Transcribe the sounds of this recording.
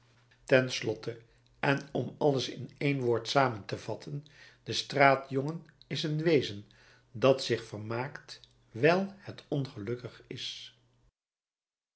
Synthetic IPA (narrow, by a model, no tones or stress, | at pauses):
tɛnslɔtə | ʔɛnɔmɑləsɪnejnʋʊːɹtsaːməntəv̥ɑtʰən | d̥əstraːtjɔŋənɪsənʋejzən | dɑtsɪχfərmaːkt | ʋɛlˠhətɔnχəlɵkəχɪs